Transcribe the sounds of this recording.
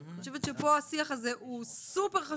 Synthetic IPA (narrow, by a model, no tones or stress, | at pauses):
χoʃ̬evet̪ʃepo̞asiaχazeʔusupe̞ʁχa